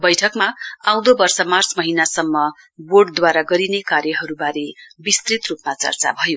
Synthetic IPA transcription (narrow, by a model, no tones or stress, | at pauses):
bʌjʈʰʌkmaaw̃d̪obʌrsʌmart͡smʌɦinasʌmːʌ | boɽɖd̪waɾaɡʌɾinekaɾjʌɦʌɾubaɾebist̪rit̪rupmat͡sʌ̰rt͡sa̰bʱʌjo